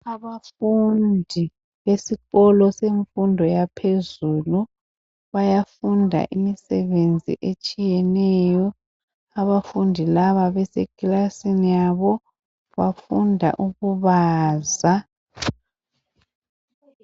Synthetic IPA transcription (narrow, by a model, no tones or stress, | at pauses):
aβafundʱi | βesiɣɔlɔseɱfundʱɔjapʰezuːlu | βajafundʱa̰ʔimisɛβend͡zʱḭʔet͡ʃʼijɛnɛjɔ | aβafundʱilaβaβɛsekilasinijaβɔ | βafundʱa̰ʔuɣuβaːza